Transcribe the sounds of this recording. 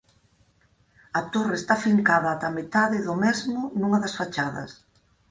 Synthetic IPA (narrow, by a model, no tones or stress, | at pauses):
ɐt̪oreːst̪afiŋkaðɐːt̪ɐmet̪aðɪðʊmɛzmʊnũŋɐðɐsfat͡ʃaðɐ̰s